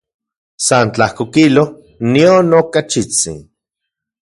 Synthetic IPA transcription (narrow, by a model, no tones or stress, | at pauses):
sant͡ɬahkokilo | nionokat͡ʃit͡sḭn